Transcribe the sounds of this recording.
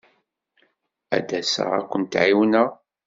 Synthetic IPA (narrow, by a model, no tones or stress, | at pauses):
æ̰d̪æsə̰ʁæ̰kʷːənt̪ʕiwnə